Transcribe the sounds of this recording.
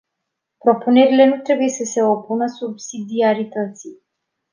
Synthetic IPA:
pɾo̞pune̞ɾile̞nut̪ɾe̞buje̞səse̞opunəsubsid̪iaɾit̪ət̪si

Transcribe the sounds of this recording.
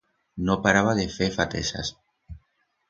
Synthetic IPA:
nopaɾaβ̞aðefefat̪ḛsa̰s

